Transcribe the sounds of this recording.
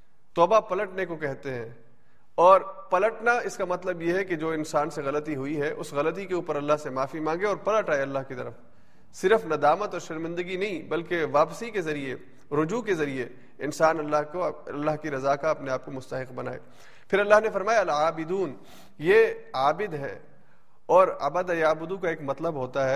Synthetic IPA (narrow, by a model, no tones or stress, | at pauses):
t̪ɔːbapɐləʈnekokɛɦt̪eɦɛ̃ː | ɔːɾpɐləʈnaɪskamɐt̪ləbjeɦɛked͡ʒoːɪnsaːnseɣɐlət̪iɦʊiɦɛʔʊ̰sɣɐlət̪̬ikeuːpəɾɐlːaɦsemaːfimãːŋɡeɔːɾpɐləʈaːeɐlːaɦkit̪ɐ̰ɾəf | sɪɾəfnɐd̪aːmət̪ɔːɾʃɐɾmɪ̃nd̪əɡinɐɦĩbɐlkeʋaːpsikezɐɾie | ɾʊd͡ʒukezɐɾie | ɪnsaːnɐlːaɦoɐlːaɦkiɾɐzaːkaɐpneaːp̚komʊst̪ɐɦɪqbɐna̰ːḛː | pʰɪɾɐlːaɦnefɐɾmaːjaɐlaːbɪd̪uːn | jeaːbɪd̪ɦɛ̰ː | ɔːɾɐ̰bəd̪ɛjaːbʊd̪ukaeːkmɐt̪ləbɦoːt̪aɦɛː